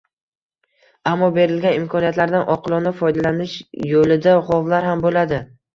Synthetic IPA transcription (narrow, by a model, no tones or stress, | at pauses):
amːɒbe̞ɾɪlɡʲanɪmkʰɒnijat̪laɾd̪anʔɒqʰɨlˠɒnafɒjd̪alanɪʃjolɪd̪aʁɒvlaɾhambolad̪ɪ